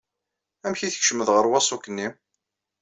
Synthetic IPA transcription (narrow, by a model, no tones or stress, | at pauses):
æmçiθə̥çʃəməðʁəɾwɑsˤukːənːim